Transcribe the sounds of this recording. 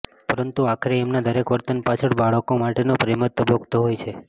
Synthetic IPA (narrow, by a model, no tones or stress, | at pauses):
pəɾənt̪uakʰəɾeːmnad̪əɾekʋəɾt̪ənpat͡ʃʰəɭbaɭəkomaʈenopɾemət̪ːəbʱoɡt̪oɦojt͡ʃʰe